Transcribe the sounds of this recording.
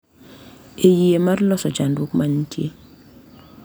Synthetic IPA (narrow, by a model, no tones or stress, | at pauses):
ejiemarlɔsɔd͡ʒandwukmaɲtʰjḛ